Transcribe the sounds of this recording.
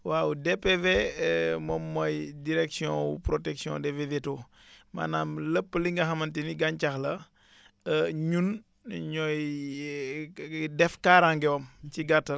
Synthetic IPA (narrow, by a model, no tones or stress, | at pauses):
wawudepevemɔmːɔjdiɾɛksiɔ̃wṵpɾotɛksiɔ̰̃deveveto | ma̰naːmləpːəliŋɡɐɦɐmɐntiniɡaɲt͡ʃaxlɐ | əɲun | ɲɔj | dɛfkaːɾaŋɡɛwomt͡ʃiɡatːɐ